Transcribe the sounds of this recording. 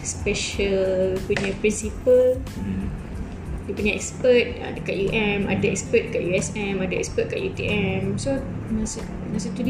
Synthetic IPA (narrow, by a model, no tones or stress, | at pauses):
spɛʃəlpuɲãpɾinsipəl | dipuɲaʔɛ̰kspət̪̚a̰dəkat̪̚juʔɛ̃ma̰daɛ̰kspət̪̚kaʔ̚juɛsɛ̃madaɛ̰kspət̪̚kaʔjut̪iʔɛmsonãs | nas̬ət̪ud